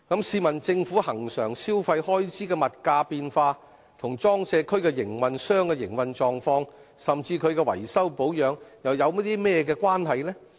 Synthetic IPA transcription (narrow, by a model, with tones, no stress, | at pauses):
kɐ˨˥msiː˧mɐ˨˩nt͡sɪ˧ŋfu˨˥hɐ˨˩ŋsœː˨˩ŋsiː˥wfɐ˧jhɔː˥jt͡siː˨˥kɛː˧mɐ˨t̚kaː˧piː˧nfaː˧ | t̪ʰʊ˨˩ŋt͡sɔː˥ŋsɛː˨˧kʰɵ˥ɥkɛ˧jɪ˨˩ŋwɐ˧nsœː˥ŋkɛ˧jɪ˨˩ŋwɐ˧nt͡ʃɔː˧ŋfɔː˧ŋsɐ˨mt͡siː˧kʰɵ˨˧ɥkɛː˧wɐ̰˨˩jsɐ˥wpo˨˥wjœː˨˧ŋjɐ˨wjɐ˨˧wmɐ˥t̚t̪iː˥mɛː˥jɛ˧k̬ɛː˧kwaː˥nɦɐ˨jlɛː˥